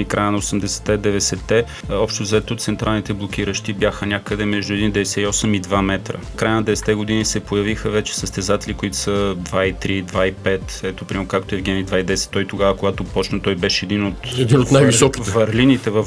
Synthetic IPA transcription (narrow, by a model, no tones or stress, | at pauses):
ikɾajənɐosɛmd̪ɛsɛ̥t̪ɛd̪ɛvɛsɛt̪ːɛ | ɔpʃt̪ozɛt̪oot̪sɛnt̪ɾʔalˠnit̪ɛblˠok̟iɾəʃt̪ibjaxənʲakəd̪ɛmɛʒd̪ʊɛd̪ind̪ɛvɛsɛiɔsɛmid̪vamɛt̪ɾə̰kɾajənɐd̪ɛvɛsɛ̥t̪ɛɡʊd̪inisɛpojɐvixəvɛt͡ʃɛ̥səst̪ɛzat̪ɛlʲikoit̪o̥səd̪vait̪ɾid̪vaipɛt̪ɛt̪opɾimɛɾkak̚t̪oɛvɡʲɛmid̪vaid̪ɛsɛ̥t̪ːɔit̪oɡavəkoɡat̪opɔt͡ʃnət̪ɔjbɛʃɛɛd̪inot̪ɛdinot̪najvisɔki̥vɐɾlinit̪ɛvəf